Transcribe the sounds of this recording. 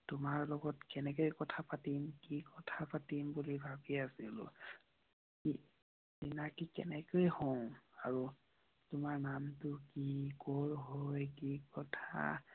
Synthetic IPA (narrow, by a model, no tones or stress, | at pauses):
tʊmaɹlɔɡɔtkɛnɛkojkɔtʰapatimkikɔtʰapatimbulibʱabiasilʊ̰ | ki | zinakikɛ̰nɛkojhow̃aɹu | tʊmaɹnamtʊkikoɹɦojkikɔtʰa̰